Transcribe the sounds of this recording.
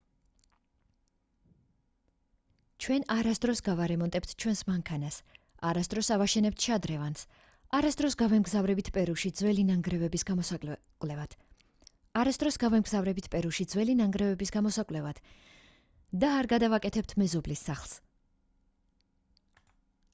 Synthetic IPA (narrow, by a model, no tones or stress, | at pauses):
t͡ʃʰwɛnaɾasd̪ɾɔsɡavaɾɛmɔnt̪ʼɛpt̪ʰt͡ʃʰwɛnsmaŋkʰanas | aɾasd̪ɾɔsavaʃɛnɛp̚t̪ʰʃad̪ɾɛvans | aɾasd̪ɾɔsɡavɛmɡzavɾɛbit̪ʰpʼɛɾuʃid̪zvɛlinaŋɡɾɛvɛbisɡamɔsakʼwlɛvad̪̥ʰ | aɾasd̪ɾɔsɡavɛmɡzavɾɛbit̪ʰpʼɛɾuʃid̪zvwɛlinaŋɡɾɛvɛbisɡamɔsakʼlɛvad̪̥ | d̪aːɾɡad̪avakʼɛt̪ʰɛp̚t̪ʰmɛzɔblisːaχlˠs